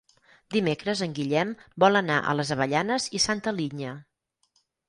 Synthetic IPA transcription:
d̪imekɾəzəŋɡiʎɛmbɔlˠənaʔə̰ləzəβəʎanəzisant̪əliɲə

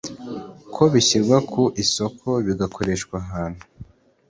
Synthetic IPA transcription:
kʰo̞βiçiɾɡwakʰuʔiso̞kʰo̞βiɡakʰo̞ɾe̞ːʃkwaɦaːn̥hu

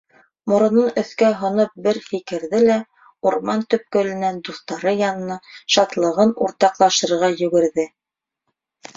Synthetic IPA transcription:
mŏɾɤ̆nɤnɵ̆θkæɦŏnɤp̚bɘɾfikɘ̆ɾðɘlæ | uɾmɑnt̪ɵ̆p̚kɵ̆lɘ̆nænd̪uθt̪ɑɾɤjɑnɤ̆nɑʃɑt̪lˠɤ̆ʁɤnuɾt̪ɑqlˠɑʃɤ̆ɾʁɑjɵ̆ɡɘ̆ɾðɘ

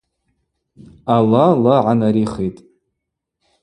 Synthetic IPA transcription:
alalaʕanaɾiχejtʼ

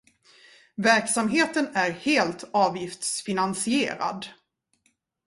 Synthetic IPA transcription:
væɾksamɦeːt̪ənæɾheːlt̪ʰɑːvjɪft̪sfɪnansɪḛːɾa̰d̪

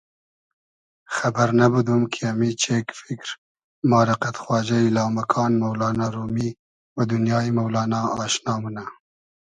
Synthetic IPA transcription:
xabaɾnabəd̪umkʰiamit͡ʃekfɪkɾ | mɑːɾɪqat̪xwɑːd͡ʒajlɑːmakʰɑːnmawlɑːnɑɾumi | wad̪ʊnjɑːimawlɑːnɑɑʃnɑːmuna

